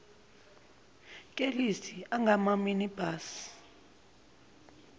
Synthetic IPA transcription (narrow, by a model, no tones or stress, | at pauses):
kʼelisiaŋɡʱamaminib̥ʱaːsi̥